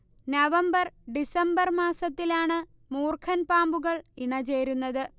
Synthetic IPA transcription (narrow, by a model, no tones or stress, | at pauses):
nɐʋɐmbɐrɖisɐmbɐrmaːsɐt̪ːilaːɳɨ | muːrkʰɐnpaːmbuɣɐɭiɳɐt͡ɕe̞ːɾunːɐðɨ